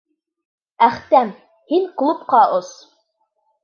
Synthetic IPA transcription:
æχt̪æm | hiŋklˠupqɑos

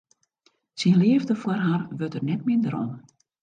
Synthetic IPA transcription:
sinlɪəvdəfwərɦarʋøtərnɛtmɪndəɾɔ̰n

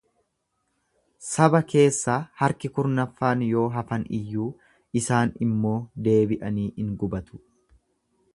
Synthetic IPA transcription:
sɐbɐke̞ːsːaːhɐɾkɪkʊɾnɐfːaːnjo̞ːɦɐfɐnɪ̰jːuː | ʔɪsaːnɪmːo̞ːd̪e̞ːbɪʔɐniːʔɪŋɡʊbɐt̪ʊ̥

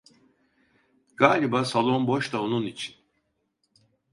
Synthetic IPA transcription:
ɡ̥aːlʲibasalˠo̞mbo̞ʃt̪aonunit͡ʃʰi̥n

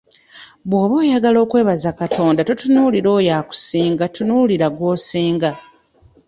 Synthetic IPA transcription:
βwo̞ːβoːjaɡalo̞ːkwe̞ːβazakatʰo̞ːndatutunuːliɾo̞ːjaːku̥siːŋɡatunuliɾaɡwo̞ːsiːŋɡa

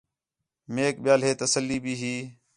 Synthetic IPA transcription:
meːk̚ɓɪjaːlɦeːt̪əsəlːiːbʱiːɦiː

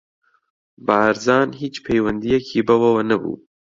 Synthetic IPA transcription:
baːɾzɑːnhiːt͡ʃpʰejwɐnd̪ijɐkʰiːbɐwɐwɐnɐbṵː

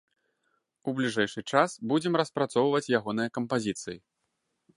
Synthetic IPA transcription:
ublʲiʐɛjʂɨt͡ʂasbud͡zʲɛmɾɐspɾat̪sɔwvɐt͡sʲjaɣɔnɨjɐkɐmpazʲit̪sɨji

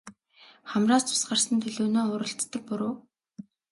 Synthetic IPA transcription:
χæmraːst͡sʰʊ̥sɢărsə̆nt̪ʰɵɮuːnoːʊɾə̆ɬt͡s̪ːə̆k̚pʊɾoː

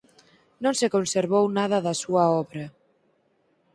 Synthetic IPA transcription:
nõnsekonseɾβownaðɐðɐsuaɔβɾa

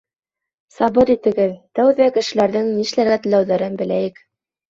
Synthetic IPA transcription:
sɑβɤɾit̪ɘ̆ɡɘðt̪æwðækɘ̆ʃɘ̆læɾðɘŋniʃlæɾɡæt̪ɘ̆læwðæɾɘnbɘ̆læjɘk

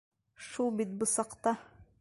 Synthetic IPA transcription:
ʃubit̪̚bɨsɑqt̪ɑ

